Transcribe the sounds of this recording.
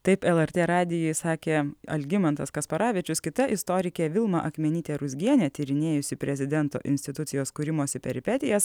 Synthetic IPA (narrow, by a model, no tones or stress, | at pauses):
t̪ɐɪpɛlˠɛɾʲt̪ʲeːɾɑːd̪ʲɪjʊjsɑːkʲeːɐ̰lʲɡʲɪmɐnt̪ɐskɐspɐɾɑːʋʲiɛt͡ʃʲʊskʲɪt̪ɐʔɪst̪oːɾʲɪkʲeʋʲɪlˠmɐ̰ʔɐxmʲɛnʲiːt̪ʲeːɾʊzʲɡʲiɛnʲɛːt̪ʲiːɾʲɪnʲeːjʊsʲɪpʲɾʲɛzʲɪd̪ʲɛnt̪o̰ːʔɪ̰nʲsʲt̪ʲɪt̪ʊt̪sʲɪjoːskʊːɾʲɪmoːsʲɪpʲɛɾʲɪpʲɛt̪ʲɪjɛs